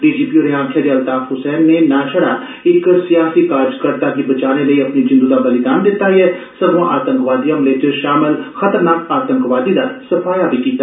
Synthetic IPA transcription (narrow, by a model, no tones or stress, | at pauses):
ɖiːd͡ʒiːpioːɾeãːkʰed̪iɐlt̪aːfɦʊsɛːnːenaːʃəɽa | ɪksijaːsikaːɾd͡ʒkəɾt̪ad̪ibɐt͡ʃaːneləiɐpnid͡ʒɪ̃nd̪ud̪abɐlɪd̪aːnd̪ɪt̪ːaiɛː | sɐbʋãʔaːt̪ə̃ŋkʋaːd̪ijãmlet͡ʃʃaːmɪlxɐt̪əɾnaːkaːt̪ə̃ŋkʋaːd̪id̪asɐfʰaːjabʱikiːt̪a